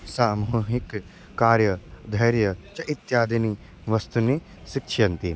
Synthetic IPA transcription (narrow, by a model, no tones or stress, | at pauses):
saːmuɦikː | aːɾjɐd̪ʱɐjɾjɐt͡ʃɐʔit̪jaːd̪ini | ʋɐst̪uni | ʃikʃʰjɐnt̪i